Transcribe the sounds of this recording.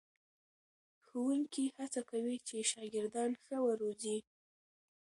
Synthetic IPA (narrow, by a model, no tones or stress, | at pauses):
xuwuŋkihat͡sakawit͡ʃeʃɑɡɪɾd̪ɑnxəwəɾozi